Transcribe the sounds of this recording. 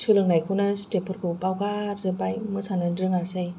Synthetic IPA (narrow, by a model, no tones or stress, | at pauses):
sʰɯlɯŋnajkʰunastepʰɯɾkʰɯpawɡaɾzɯbajmɯsanɯdɾɯŋasɯj